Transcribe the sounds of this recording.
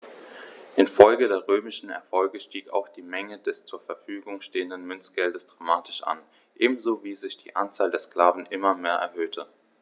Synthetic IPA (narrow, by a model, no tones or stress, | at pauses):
ʔɪnfɔlɡədeːɐʁøːmɪʃn̩ɛ̰ɐfɔlɡəʃtiːka̰ʊxd̥iːmɛŋəd̥ɛst͡suːɐfɛɐfyːɡʊŋʃteːəndənmʏnsɡ̥ɛldəsd̥ʁaːmaːtʰɪ̥ʃʔa̰n | ʔeːbm̩zoːviːzɪçd̥ḭːʔant͡saːldeːɐskl̥aːvn̩ʔɪmɐmeːɐʔɛ̰ɐɦøːtʰə